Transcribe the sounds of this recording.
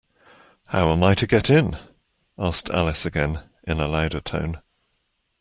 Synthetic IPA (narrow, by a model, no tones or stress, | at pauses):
haʊə̃maɪtʰəɡɛtɪ̃n | ɑˑsk̚tʰa̰lɪsəɡɛ̃n | ʔɪ̃nəlaʊɾətʰə̰̃ʊ̃n